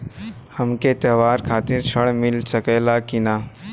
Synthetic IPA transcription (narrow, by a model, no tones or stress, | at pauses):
həmket̪əːʋaːɾkʰaːt̪ɪɾt͡ʃʰəɽmɪlsəkɛlakɪnaː